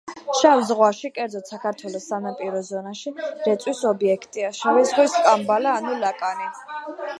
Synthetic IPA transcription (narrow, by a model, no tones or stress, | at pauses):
ʃavzʁwaʃikʼɛɾd̪zɔt̪sakʰaɾt̪ʰwɛlɔsːanapʼiɾɔzɔnaʃiɾɛt̪sʼwisɔbiɛkʰt̪ʼiaʃavɛzʁwiskʼambalaːnulakʼani